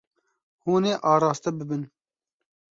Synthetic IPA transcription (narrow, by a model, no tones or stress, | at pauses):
huːneːʔɑːɾɑːst̪ɛbɨbɨn